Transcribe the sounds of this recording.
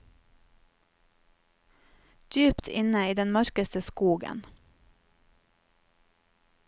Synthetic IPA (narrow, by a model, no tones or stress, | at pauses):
d̪̥yːpt̪ʰɪ̰nəiːd̪ɛnmœɾkəst̪əskuːɡə̰n